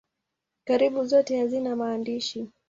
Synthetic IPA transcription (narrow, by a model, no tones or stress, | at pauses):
kaɾiɓuzɔtɛhazinamaːndiʃi